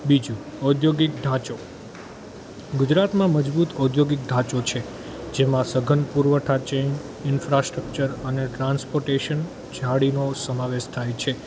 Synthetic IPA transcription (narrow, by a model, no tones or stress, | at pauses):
bid͡ʒũ | ɔd̪joɡik̚ɖ̪ʱãt͡ʃo | ɡʊd͡ʒɾat̪mãməd͡ʒbut̪ɔd̪joɡik̚ɖ̪ʱãt͡ʃot͡ʃʰe | d͡ʒemãsəɡʱənpuɾʋəʈʰat͡ʃen | ɪnfɾasʈɾək̚t͡ʃəɾəneʈɾãnspoɾʈeʃən | d͡ʒʱaɽinosəmaʋeʃt̪ʰajt͡ʃʰe